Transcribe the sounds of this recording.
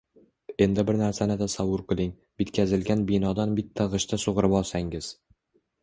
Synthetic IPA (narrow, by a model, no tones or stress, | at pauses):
e̞nd̪ɪbɪɾnaɾsanɪd̪asawʊɾqʰɨlˠɪŋ | bɪt̪kʲʰazɪlɡʲanbɪnɒd̪anbɪt̪ʰːaʁɨʃt̪ʰasoʁɨɾɪpɒlˠsaŋɪz̥